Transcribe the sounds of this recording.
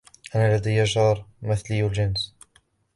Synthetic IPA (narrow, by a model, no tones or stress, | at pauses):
ʔænalad̪ijaʒɑɾˤmɪθliːlʒɪns